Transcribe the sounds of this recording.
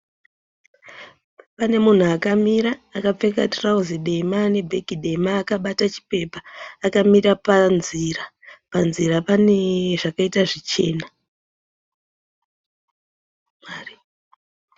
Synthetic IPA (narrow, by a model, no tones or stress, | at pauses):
pane̞mun̤uakamiɾaːkap͡fe̞katrauziɗemane̞bʱe̞kiɗe̞maːkaɓatat͡ʃi̥pe̞paːkamiɾapanziɾa | panzirapaneʐakaitaʐit͡ʃe̞̰ːna | mari